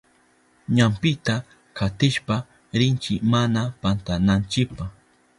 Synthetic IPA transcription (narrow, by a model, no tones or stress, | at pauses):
ɲampɪt̪a | kʰat̪ɪʃpa | ɾɪnt͡ʃɪmanapant̪anant͡ʃɪpaχ